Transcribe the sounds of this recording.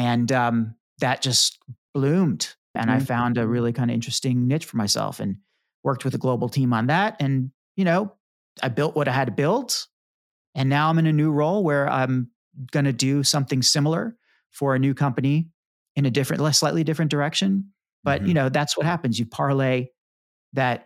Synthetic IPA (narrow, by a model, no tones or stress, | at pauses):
ɨ̃nʌ̃m | ðɨt̚d̥ʒ̥ʌsb̥lʉ̃md | ʔɨ̰̃ñaɪfãʊ̃ndɨɹɪlˠikʰãɪ̃ndɨɪ̃nt͡ʃɹ̥ɨ̥stɪ̃ŋnɪt͡ʃfə˞maɪsɛ̰lˠfɨ̰̃n | wɜ˞k̚t̚wɨðɨɡloʊbl̩ˠtʰĩmə̃nðæt̚ɨ̃n | jɨñoʊ | aɪbɪlˠʔwʌɾaɪɨd̚tɨbɪlˠt | ɨ̃nːaʊãɪ̃mɨ̃nɨnʉɹoʊlˠwə˞ã̰ɪ̃m | ɡ̥ʌñɨdɨsʌ̃mθɪ̃ŋsɪ̃ml̩ˠə̰˞ | fə˞ɨnʉkʰʌ̃mpɨni | ɨ̃nɨdɪfɹɨ̃nʔlslaɪʔˡlidɪfɹɨ̃nd̥ə˞ɛkʃɨ̃n | b̥ʌʔ̚jɨnoʊðætswʌt̚hæpɨ̃nzjɨpʰɑɹleɪ | ðɨt̚